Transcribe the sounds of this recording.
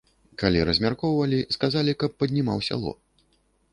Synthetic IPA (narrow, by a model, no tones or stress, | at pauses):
kalʲiɾɐzʲmʲarkɔwvɐlʲiskazalʲikɐpːɐd̪ʲnʲima̰wsʲa̰lˠɔ̰